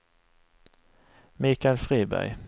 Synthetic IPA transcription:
miːkaɛlfɾiːbæ̰ɾj

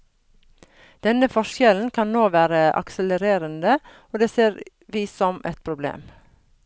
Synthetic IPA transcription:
d̪̥ɛnəfɔʃjɛln̩kʰɑnnoːʋæːɾəʔɑ̰ksələɾeːɾənd̪ə | oːd̪eːseːɾ | ʋiːsɔmɛt̪̚pʰɾʊblḛːm

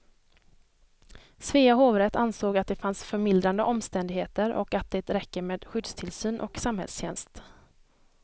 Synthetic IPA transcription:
sveːaɦoːvɾɛt̪ansoːɡat̪̚d̪ɛfansfœɾmɪld̪ɾand̪əʔɔmst̪ɛnd̪ɪɡheːt̪əɾʔɔ̰kat̪̚d̪ɛːt̪ɾɛkːəɾmeːd̪ɧʏd̪st̪ʰɪlsyːnʔɔ̰ksamhɛ̰lsɕɛnst̪

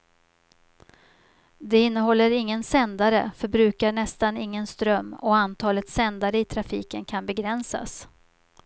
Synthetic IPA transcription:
d̪ɛɪnːəɦɔlːəɾɪŋːənsɛnd̪aɾə̰fœɾbɾʉ̟ːkaɳɛst̪anɪŋːənst̪ɾœmːɔ̰ant̪ʰɑːlət̪sɛnd̪aɾəɪt̪ʰɾafiːkənkʰanbɛɡɾɛnsa̰s

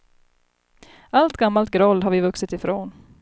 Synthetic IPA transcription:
ʔalt̪ɡamːalt̪̚ɡɾɔlːɦaɾvɪvɵksɪt̪ɪfɾoːn

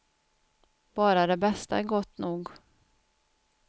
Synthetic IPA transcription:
b̥ɑːɾad̪ɛbɛst̪a̰ɛɾɡɔt̪ːnuːɡ

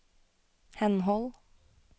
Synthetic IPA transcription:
hɛnhɔl

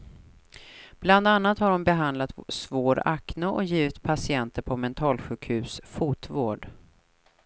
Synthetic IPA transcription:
b̥land̪anːat̪haɖɔmbɛɦand̪lat̪svoːɾa̰knoʔɔ̰jiːvɪt̪pʰasɪɛnt̪əɾpʰɔmɛnt̪ʰɑːlɧʉ̟ːkhʉ̟ːsfuːt̪voːɖ

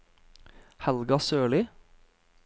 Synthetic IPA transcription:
hɛlɡɑsøːɭiː

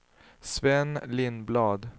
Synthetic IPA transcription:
sʋɛnlɪnblɑːd̪

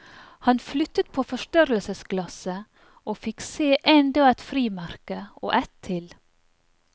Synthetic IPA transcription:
hɑnflʏt̪ət̪̚pʰoːfɔʃtœɾəlsəsɡlɑsə | ʔoːfɪkseːʔɛnd̪ɔæt̪fɾiːmæɾkəo̰ːʔæt̪ʰːɪl

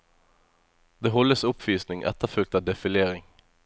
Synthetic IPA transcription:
d̪̥eːɦɔlːəsʊpʋyːsnɪŋʔɛ̰t̪əʁfʉk̚t̪ɑd̪ɛfɪljeːɾɪŋ

